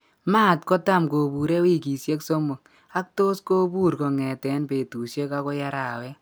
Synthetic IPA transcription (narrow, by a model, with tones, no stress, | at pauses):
ma˦˨t̚kɔ˦ta˦˨mko˨bu˨ɾe˦wi˦ki˨sje˦kso˦mo˨t | a˦k̚to˦sko˦bu˦ɾko˨ŋɛ˨tɛ˨˦npe˨tu˨sje˦ka˧˦kɔ˦ja˦ɾa˨wɛ˦